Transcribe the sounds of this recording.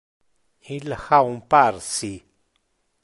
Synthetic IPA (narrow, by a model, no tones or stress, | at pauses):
ĩlaxaumpaɾsi